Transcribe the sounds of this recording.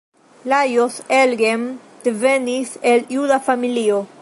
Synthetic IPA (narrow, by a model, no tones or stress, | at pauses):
lajoselɡem | d̪̥eveniseljudafamilio